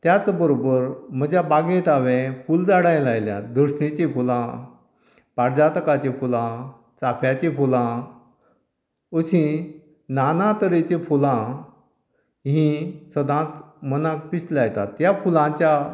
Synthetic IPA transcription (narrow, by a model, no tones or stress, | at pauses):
t̪jat͡sbəɾobəɾm̤əd͡ʑjabaɡẽt̪aʋẽfuld͡zaɽãj̃lajljã̰d̪əɕɳit͡ɕepulã | paɾd͡ʑat̪kat͡ɕefulã | t͡sapʰjat͡ɕefulã | əsĩ | nanãt̪əɾet͡ɕẽfulã | ɦĩsəd̪ãt͡s̪mənãk̚pislajt̪at̪jafulãt͡ɕja